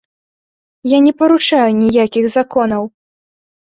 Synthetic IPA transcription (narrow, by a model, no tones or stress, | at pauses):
janʲɛpɐɾut͡ʂajunʲijakʲiɣzakɔnɐw